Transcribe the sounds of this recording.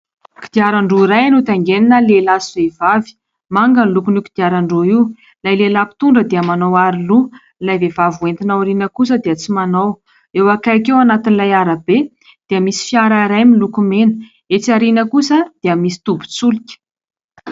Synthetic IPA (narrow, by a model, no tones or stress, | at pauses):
ki̥d̪̥iaɾaɳɖ͡ʐoiɾajanut̪aŋɡeninəlelasivevavi̥ | maŋɡənilukuniki̥d̪̥iaɾaɳɖ͡ʐoiw | lajlelapi̥t̪uɳɖ͡ʐəd̪eamanawaɾilu | lajvevavuent̪inawaɾinəkus̬əd̪eət͡simanaw | ewakajakewanat̪inilajaɾabe | d̪̥eamisi̥fiaɾaiɾajmilukumenə̥ | et͡saɾinəkusəd̪̥eamisi̥t̪ubu̥t͡sulikʲə̥